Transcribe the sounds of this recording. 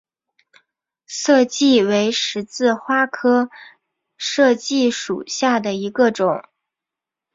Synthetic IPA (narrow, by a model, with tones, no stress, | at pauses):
sɤ˥˧t͡ɕi˥˩we˧˥ɪʂɻ̩˧˥t͡sɹ̩˥˩xwa˥kʰɤ˥ | ʂɤ˥˧t͡ɕi˥˩ʂu˨˩ɕja˥˩d̪ə˩i˧˥ɡə˧ʈ͡ʂʊ˨˩˦ŋ